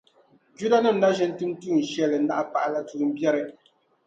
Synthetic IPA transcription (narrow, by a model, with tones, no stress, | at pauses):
d͡ʒu˦la˦na˦m̩˦na˦ʒɛ˦n̩˦tɨ˦m˦tu˦˨n̩˨ʃɛ˦˨lɛ˨˦na˦ʔa˦pa˦˨ʔa˦la˦tuː˦˨˦m̩˦bjɛ˦ɾɛ˦